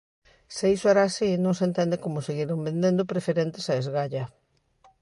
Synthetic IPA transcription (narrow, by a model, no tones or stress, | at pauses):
seisoɛɾaːsinõŋsent̪ɛnd̪ɪkomʊseɣiɾombẽnd̪ẽnd̪ʊpɾefeɾent̪ɪ̥saezɣaʎɐ